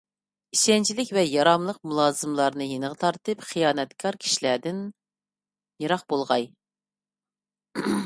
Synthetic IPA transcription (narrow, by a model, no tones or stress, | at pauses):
iʃɛnt͡ʃʰilɪkʲvɛjɑɾɑmlˠəqmulˠɑːzɨmlˠɑɾnɨjenɨʁət̪ʰɑɾt̪ɨpχijɑːnɛt̪kʰɑɾkʲʰi̥ʃilæd̪ɪn | jeɾɑq̚bolˠʁɑj